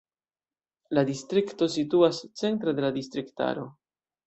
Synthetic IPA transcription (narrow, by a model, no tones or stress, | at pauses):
ladistɾikto̞s̬ituast͡se̞nt̪ɾede̞lad̪ist̪ɾikta̰ɾo̞̰